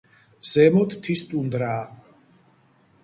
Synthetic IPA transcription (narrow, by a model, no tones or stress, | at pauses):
z̥ɛmɔt̪ʰt̪ʰist̪ʼund̪ɾaː